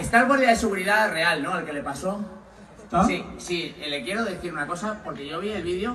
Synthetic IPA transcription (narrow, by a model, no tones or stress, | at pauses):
est̪alɣoɾðjaðese̞ɣuɾiðare̞alno̞alke̞le̞paso̞ | sisiele̞kje̞ɾo̞ðe̞θiɾunako̞sapo̞ɾke̞ʝo̞β̞ielβiðjo̞